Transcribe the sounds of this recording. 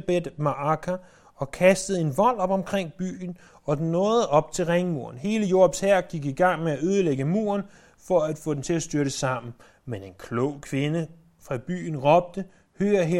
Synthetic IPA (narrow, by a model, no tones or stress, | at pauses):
b̥ed̥mɑ̈ʔɑkʰæ | ɒ̽kʰæsd̥əð̞̩ˠe̝nʋɒ̽l̰ɒ̽b̥ɒ̽mkʰʁeŋ̰b̥y̰ːn̩ | ɒ̽nɔ̽ːð̩ˠɒ̽b̥̚t͡sʰe̝lʁeŋəmṵɐn̩he̝ːləjo̝ɐb̥shæɐ̰ɡ̥iɡ̥iɡ̥ɑ̈ŋ̰meæʔøːð̞ˠəleɡ̥əmṵːɐn | fɒ̽æd̥fɔ̽ːdemt͡sʰe̝æsd̥yɐɾəsɑ̈m̰n̩ | mene̝nkʰlɔʊ̰kʰʋe̝nə | fʁɑ̈b̥y̰ːn̩ʁɒ̽b̥̚d̥ə | høːɐɦe